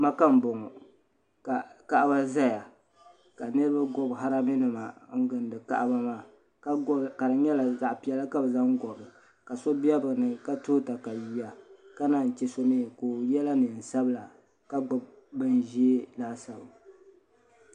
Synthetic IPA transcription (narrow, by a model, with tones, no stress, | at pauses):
ma˦ka˦m˨bo˨ŋɔ˨ | ka˨ka˦ʔa˦ba˦za˦ja˨ | ka˨nɨ˦ɾɨ˦ba˦ɡɔ˦bɦa˦ɾa˦mi˦nɨ˨ma˨ŋ̩˦ɡɨ˨ndɨ˨ka̰˦ʔba˦maː˦˨˦ | ka˨dɨ˨ɲɛ˦la˨za˨ʔpi˨ɛ˦la˦ka˦bɨ˨za˦ŋ˦ɡɔ˨bɨ˨ | ka˨so˦bi˦ɛ˦bɨ˨nɨ˨ka˦toː˦ta˨ka˨ji˦a˨ka˦na˨n̩˨t͡ʃɛ˦so˦miː˦koː˨jɛ˦la˦nɨ˨n̩˨sa˦bɨ˦la˨ | ka˦ɡ͡bɔ˨b | bɨ˦n˨ʒi˦e˦laː˦sa˨ba˨